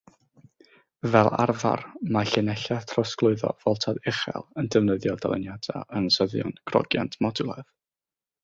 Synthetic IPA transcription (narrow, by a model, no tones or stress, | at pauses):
vɛlˠa̰rva̰rmaɬɪnɛɬatʰrɔsklˠʊɨðɔ̰v̥ɔlˠtʰadɪχɛ̰lˠəndəvnəðjɔdalˠə̰njad̥a̰ʔənsəðjʊ̰nkʰrɔ̰ɡja̰ntʰmɔdulˠað